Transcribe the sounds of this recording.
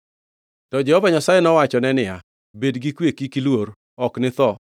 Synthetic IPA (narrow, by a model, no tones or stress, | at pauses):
tɔd͡ʒɛhɔvaɲasajɛnɔwat͡ʃɔnɛnɪa | bedɡikwekikilwoɾ | ɔknɪt̪ɔ